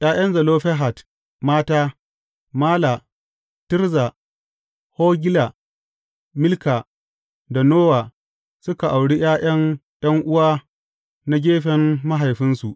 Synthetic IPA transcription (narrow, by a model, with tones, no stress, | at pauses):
j̰aː˦j̰ɐ˦nzɐ˨loː˦ɸɛ˦ɦa˨t | maː˦taː˦ | maː˦la˨ | tɪ˦ɾza˨ | hoː˦ɡʲɪ˦la˨ | mɪ˦lkaː˨ | da˨noː˦waː˨ | sʊ˦ka˨ʔa˨wɽi˦j̰aː˦j̰ɐ˦ŋj̰ɐ˦ŋʔʊ˦waː˦ | na˦ɡʲeː˦ɸɛ˨mːa˦ɦa˨jɸɪ˦nsu˨ʔ